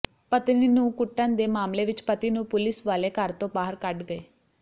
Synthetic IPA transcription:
pət̪ninũːkʊʈːə̃ːnd̪eːmaːmleːʋɪt͡ʃpət̪iːnũːpʊlɪsʋaːleːkəɾt̪õːbaːɦəɾkəʈɡəeː

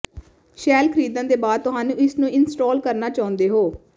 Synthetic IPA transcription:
ʃɛːlkʰəɾiːd̪ə̃nd̪eːbaːd̪̚t̪ʊɦaːnũːɪsnũːɪnsʈɔːlkəɾnaːt͡ʃaːʊ̃nd̪eːɦoː

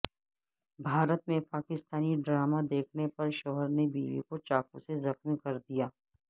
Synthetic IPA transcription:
bʱaːɾət̪mẽpaːkɪst̪aːniɖɾaːmad̪eːkʰnepɐɾʃɔːɦəɾnebḭːʋḭkot͡ʃaːkũsezɐxmikɐɾd̪ijaː

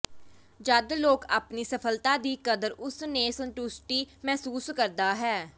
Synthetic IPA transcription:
d͡ʒəd̪loːkaːpniːsəpʰəlt̪ãːd̪iːkəd̪əɾʊsneːsəɳʈuːsʈiːmɛːsuːskəɾd̪aːɦɛː

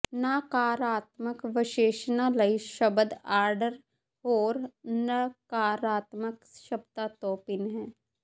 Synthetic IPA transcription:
nakaːɾaːt̪məkʋɪʃeːʃnaləiʃɐbəd̪aːɾɖəɾ | oːɾnɐkaːɾaːt̪məkʃɐbt̪at̪oːpɪnɦɛ̃ː

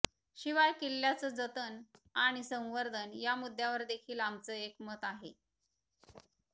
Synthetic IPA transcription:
ɕiʋajkilːjat͡səːd͡zət̪ənaɽ̃isə̃w̃ʋəɾd̪ʱənjamud̪ʱːjaʋəɾd̪ekʰiːlamt͡səːekmət̪aɦḛ

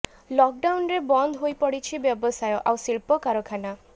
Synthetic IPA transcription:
lɔk̚ɖawnɾebɔnd̪ʱɦojpɔɽit͡ʃʰibjɔbɔsajɔʔawsiɭpɔkaɾɔkʰana

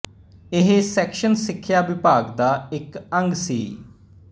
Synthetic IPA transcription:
ɪɦesɛːkʃənsɪkʰːjaːʋɪpaːkd̪aːɪkəŋɡsiː

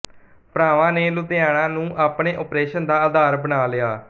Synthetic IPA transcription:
pɾaːʋãːneːlʊd̪eaːɽ̃ãːnũːʔaːpɳeːʔoːpɾeːʃənd̪aːəd̪aːɾbəɽaːlɪjaː

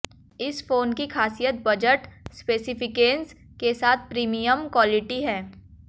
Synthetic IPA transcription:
ɪsfoːnkixaːsijət̪̚bɐd͡ʒəʈspeːsɪpɪkeːns | kesaːt̪̚ʰpɾiːmijəmkwɔːlɪʈiɦɛː

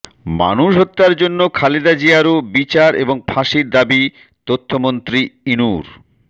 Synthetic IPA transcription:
ma̰nuʃɦot̪ːaɾd͡ʑonːokʰaled̪ad͡ʑiaɾobit͡ɕaɾḛboŋpʰaʃiɾd̪abi | t̪ot̪ʰːomont̪ɾiinuɾ

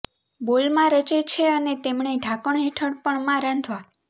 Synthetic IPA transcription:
bolmãɾət͡ʃet͡ʃʰeənet̪emɳeɖʱãkəɳɦeʈʰəɽpəɳmãɾə̃nd̪ʰʱʋa

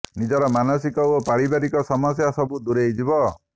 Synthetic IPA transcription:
nid͡ʒɔɾɔmanɔsikɔopaɽibaɾikɔsɔmɔsjasɔbud̪uɾejd͡ʒibɔ

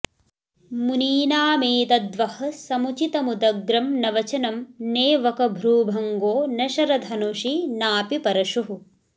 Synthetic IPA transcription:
muniːnaːmeːt̪ɐd̪ʋɐhɐ̆sɐmut͡ʃit̪ɐmud̪ɐɡɾɐmnɐʋɐt͡ʃɐnɐmneːʋɐkɐbʱɾuːbʱɐŋɡoːnɐʃɐɾɐd̪ʱɐnuʃinaːpipɐɾɐʃuɦu

